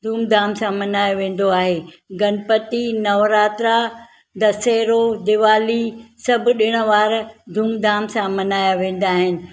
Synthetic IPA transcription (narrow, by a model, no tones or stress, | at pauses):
d̪ʱuːmd̪aːmsãmɐnaːjoʋẽːn̆d̪oaːɦeː | ɡɐnpət̪inɐʋɾaːt̪ɾa | d̪ɐseːɾod̪ɪʋaːlisɐbʱʊ̆ɗɪɽ̃ə̆ʋaːɾd̪ʱuːmd̪aːmsãmɐnaːjaʋẽːn̆d̪aːɦɪnɪ̆